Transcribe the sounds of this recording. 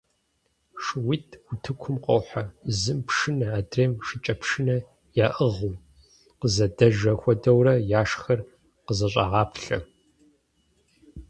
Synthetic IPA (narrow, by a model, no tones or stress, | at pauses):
ʂɨwitʰʷʊtʰɨkʷʰʊmqʷo̰wħazɨmpʂɨnɐaːdreːmʂɪt͡ʃʼɐpʰʂɨnɐ | jaːʔəʁuw | qəzɐdɐʒɐxʷɔdɐwrɐjaːʂxɐr | qəzɐɕʼɑ̰ʁɑːpʰɬɐ̰